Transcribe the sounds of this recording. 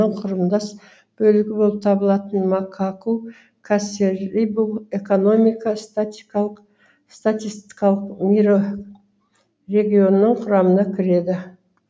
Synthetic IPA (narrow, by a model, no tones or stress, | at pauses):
əɴqʰʊɾəmd̪ɑs | b̥ɵlɪɡʲɪbo̞lˠəp̚t̪ʰɑbəlˠɑt̪ənmɑkʰaku | kʰaseɾijbulˠe̞ko̞no̞mijkɑst̪t̪ | st̪at̪ist̪i̥kɑlˠəqmiɾo | re̞ɡʲijo̞nəːəɴqʰʊɾɑmənɑkʲʰɪɾe̞d̪ɪ